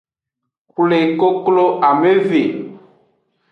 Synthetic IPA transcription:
kle˨ko˦klo˦ʔa˨me˦ve˨

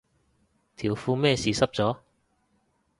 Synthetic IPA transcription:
t̪ʰiː˨˩wfuː˧mɛː˥˧siː˨sɐ˥p̚t͡sɔː˨˥

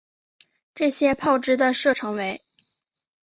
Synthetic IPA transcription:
ʈ͡ʂɤ˥˩ɕjɛ˥pʰɑ˥˩ʊʈ͡ʂɻ̩˥d̪ə˨ʂɤ˥˩ʈ͡ʂʰɤ˧˥ŋwe˧˥ɪ

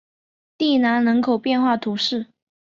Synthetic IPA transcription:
t̪i˥˩na˧˥nnɤ˧˥ŋkʰo˨˩ʊpjɛ˥˧nxwa˥˩t̪ʰu˧˥ʂɻ̩˥˩

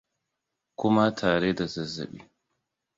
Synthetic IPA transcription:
kʷʊ˦ma˦tʰaː˨ɽeː˦da˨zɐ˦˨zɐ̰˨ɓḭː˦

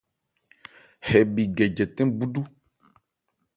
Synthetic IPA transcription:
hɛ˨bi˨ɡɛ˨d͡ʒɛ˨t̪ɛ̃˦bu˦ɖu˦

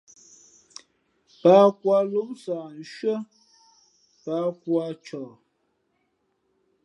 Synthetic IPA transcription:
pa˦kwa˦lu˦psa˨n̩˨ʃɥə˦ | pa˦kwa˧t͡ʃɔː˨

